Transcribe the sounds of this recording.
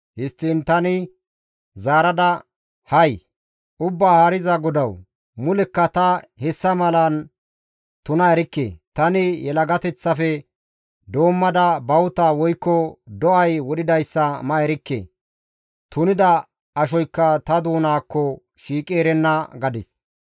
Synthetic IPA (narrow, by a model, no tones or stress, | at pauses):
hɪst̪ːiːnt̪ɐnɪ | zaːɾɐd̪ɐ | hɐj | ʊbːaːhaɾɪzɐɡɔd̪ɐw | mʊlɛkːɐt̪ɐhɛsːɐmɐlɐn | t̪ʊnɐɛɾɪkːḛːt̪ɐnɪjɛlɐɡɐt̪ɛt͡sːɐfɛ | d̪o̞ːmːɐd̪ɐbɐwʊt̪aːwɔjkːɔd̪ɔʔɐjwɔɗɪd̪ɐjsːɐmɐɛɾɪkːḛː | t̪ʊnɪd̪ɐ | ɐʃɔjkːɐt̪ɐd̪uːnaːkːɔ | ʃiːkʼeːɾɛnːɐɡɐd̪ɪs